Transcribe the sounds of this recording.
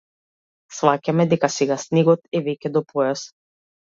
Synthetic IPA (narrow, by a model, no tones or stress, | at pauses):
svacamɛd̪ɛkasɛɡasniɡɔt̪ɛvɛkʲɛd̪ɔpʰɔjas